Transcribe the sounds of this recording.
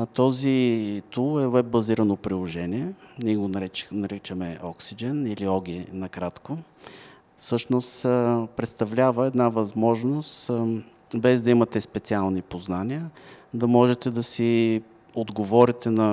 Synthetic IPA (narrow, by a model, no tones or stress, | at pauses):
t̪ɔzit̪ulˠɛwɛb̚bːɐziɾənopɾilˠoʒɛniɛnʲiɛɛɡonɾɛnɐɾɛt͡ʃəmɛɔksid͡ʒɛniliɔɡʲinɐkɾat̪ko | fsɤʃnost̪pɾɛt̪st̪ɐvlʲavəɛd̪navɐzmɔʒnost̪ | bɛzd̪ɐimɐt̪ɛspɛt̪sialˠnipoznaniəd̪ɐmɔʒɛt̪ɛd̪ɐsi | od̪ɡovɔɾit̪ɛnɐ